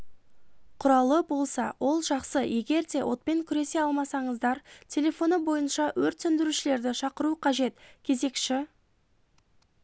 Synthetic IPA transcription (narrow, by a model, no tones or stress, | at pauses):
qʰʊɾɑlˠəbo̞lˠsɑ̰wʔo̞lˠʒɑqsəje̞ɡʲe̞ɾd̪e̞wʔo̞t̪̚pe̞ŋkʲʰʏɾe̞se̞ɑlˠmɑsɑɴəzd̪ɑɾtʲʰe̞lʲe̞fo̞nəbo̞jənʃɑwɵɾt̪sʏnd̪ɪɾuʃɪle̞ɾd̪ɪʃɑqəɾuqʰɑʒe̞t̪kʲʰe̞ze̞kʃɪ